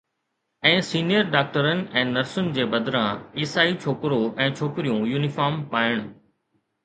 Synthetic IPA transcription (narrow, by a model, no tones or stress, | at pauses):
ɛ̃ːsiːnijəɾɖaːk̚ʈəɾənɪ̆ɛ̃ːnɐɾsʊnɪ̆d͡ʑeːbɐd̪ɾãiːsaːit͡ɕʰoːkɪɾoʔɛ̃ːt͡ɕʰoːkɪɾijũjuːnɪfaːɾmpaːɪɽ̃